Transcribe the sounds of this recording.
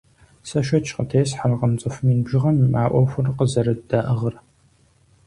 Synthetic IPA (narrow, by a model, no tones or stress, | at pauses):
sɐʃɐt͡ʃʰqətʰeːsħarqəmt͡sʼɨfmiːnbʒɪʁɐmmaːʔʷɔxʷʊrqəzɐɾɨdɐʔɐʁər